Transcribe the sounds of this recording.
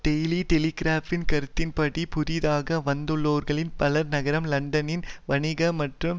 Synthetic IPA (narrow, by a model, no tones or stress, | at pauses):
ɖɛjliʈɛliɡɾaːfɪnkɐɾɯt̪ːɪnpɐɽipʊɾɪðaːɣɐʋɐnd̪ɯɭːoːɾɣɐɭɪnpɐlɐɾnɐɣɐɾɐmlɐɳɖɐnɪnʋɐɳɪɣɐmɐʈrɯm